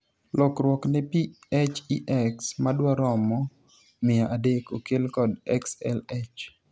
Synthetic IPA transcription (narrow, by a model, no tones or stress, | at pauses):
lɔkɾwɔknɛpiɛt͡ʃiʔɛksmadwaɾɔmɔ | mɪaʔadekokelkɔdɛ̰ksɛ̰lɛt͡ʃ